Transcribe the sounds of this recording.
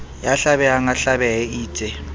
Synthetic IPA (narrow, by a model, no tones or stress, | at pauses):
jaɬaɓɛaŋaɬaɓɛɛiːtʼɛ